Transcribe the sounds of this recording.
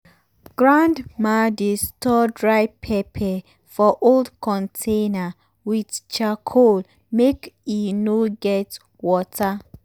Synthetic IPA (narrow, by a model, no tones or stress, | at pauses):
ɡ̥ɹãndmadestɔdɹaɪpʰɛpʰɛ | fɔʔoldkɔ̃ntʰena | widt͡ʃakʰol | mekinoɡɛt | wɔtʰa